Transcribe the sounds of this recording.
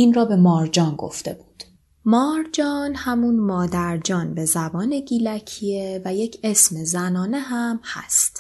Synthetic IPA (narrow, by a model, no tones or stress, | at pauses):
iːnrɒːbe̞mɒːɾd͡ʒɒːnɡo̞̰ft̪e̞buːd̪̥ | mɒːɾd͡ʒɒːnhæmunmɒːd̪æɾd͡ʒɒːnbe̞zæbɒːne̞ɡiːlæcʰievæje̞cʰe̞sme̞zænɒːne̞ɦæmhæ̰st̪